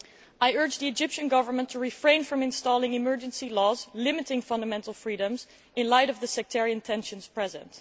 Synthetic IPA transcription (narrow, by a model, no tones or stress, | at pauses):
aɪɜ˞d͡ʒðiɨd͡ʒɪpʃɨ̃nɡʌvə˞mə̃ntʰəɹifɹẽɪ̃nfɹʌ̃mɨ̃nstɔlˠɪ̃ŋɨmɜ˞d͡ʒɨ̃nsilɔzlɪmɨɾɪ̃ŋfʌ̃ndəmɛ̃ntˡl̩ˠfɹiɾə̃mz | ɨ̃nlaɪɾʌvðɨsɛk̚tʰɛɹiɨ̃ntʰɛ̃nʃɨ̃nz̥pʰɹ̥ɛzə̰̃nt